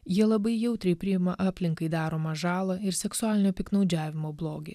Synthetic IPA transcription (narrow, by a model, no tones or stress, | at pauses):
jiɛlˠɐbɐɪjɛʊt̪ʲɾʲɛɪpʲɾʲɪjɪmɐʔɑːpʲlʲɪŋkɐɪd̪ɑːɾoːmɐʒɑːlˠɐɪɾsʲɛksʊɑːlʲɪnʲoːpʲɪknɒʊd͡ʒʲæːʋʲɪmoːblˠoːɡʲḛː